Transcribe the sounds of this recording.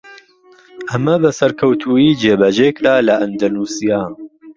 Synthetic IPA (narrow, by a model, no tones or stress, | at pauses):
ʔɐmɐbɐsɐɾkʰɐwt̪ʰuːjiːd͡ʒeːbɐd͡ʒeːkd̪aːlɐʔɐnd̪ɐnuːsijaː